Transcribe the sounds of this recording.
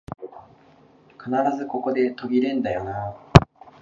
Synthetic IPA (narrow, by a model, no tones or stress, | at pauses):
kanaɾazɨko̞ko̞d̪e̞t̪o̞ɡʲiɾẽ̞nd̪ajona